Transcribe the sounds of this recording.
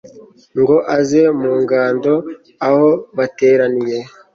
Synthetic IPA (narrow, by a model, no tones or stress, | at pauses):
ŋɡo̞ʔazemuːŋɡaːndo̞ | aho̞βate̞ːɾanije̞